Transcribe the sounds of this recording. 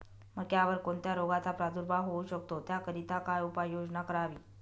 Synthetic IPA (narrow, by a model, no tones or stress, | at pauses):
məɡjaʋəɾkoɳt̪jaɾoɡat͡s̪apɾad̪uɾbʱaɦouɕək̚t̪ot̪jakəɾit̪akajupajːod͡znakəɾaʋiː